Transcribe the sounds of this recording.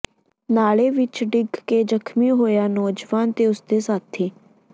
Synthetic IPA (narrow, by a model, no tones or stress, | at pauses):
naːɭeːʋɪt͡ʃɖɪɡkeːd͡ʒəkʰmiːɦoːjaːnɔːd͡ʒʋaːnt̪eːʊsd̪eːsaːt̪ʰːiː